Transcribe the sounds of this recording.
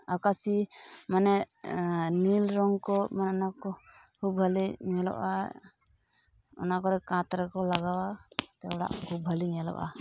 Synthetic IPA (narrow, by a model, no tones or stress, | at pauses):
akasimanɛ | nilɾɔŋkɔmanɛɔnakɔ | kʰubɦaliɲɛlɔ̰ʔa | ɔ̰nakɔɾɛkãt̪ɾɛkɔlaɡawat̪ɛɔɽa̰ʔkʰub̚ɦəliɲɛlɔ̰ʔa̰